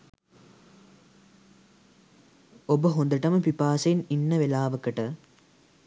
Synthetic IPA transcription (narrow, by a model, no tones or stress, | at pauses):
obəɦond̪əʈəməpipaːseninːəʋelaːʋəkəʈə